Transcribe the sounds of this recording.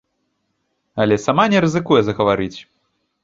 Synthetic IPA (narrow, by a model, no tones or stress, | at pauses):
ɐlʲɛsamanʲɛɾɨzɨkujɛzɐɣɐvaɾɨt͡sʲ